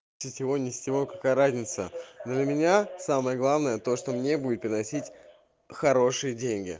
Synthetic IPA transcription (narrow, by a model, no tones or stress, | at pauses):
ɪtʲjɪvo̞nʲɪsʲt̪ʲːɪvokɐkajəɾazʲnʲɪt̪sə̰d̪lʲəmʲɪnʲasaməjəɡlˠavnəjət̪o̞ʂt̪o̞mnʲe̞budʲɪt̪pɪɾʲɪnɐsʲitʲ | xɐɾo̞ʂɨjədʲenʲɡʲɪ̰